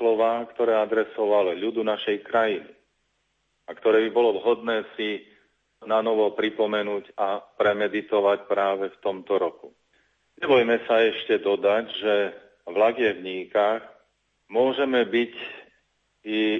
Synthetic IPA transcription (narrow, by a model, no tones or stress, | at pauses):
lɔʋaːkt̪ɔɾɛːad̪ɾɛsɔʋaliʎud̪unaʃɛjkɾajini | akt̪ɔɾɛːbibɔlɔʋɦɔd̪nɛːsi | nanɔʋɔpɾipɔmɛnuːcapɾɛmɛd̪it̪ɔʋacpɾaːʋɛft̪ɔmt̪ɔɾɔku | ɲɛʋɔjmɛsaɛʃcɛd̪ɔd̪aɟʒɛ | ʋlaɡjɛvɲiːkax | mʊɔʒɛmɛbic | i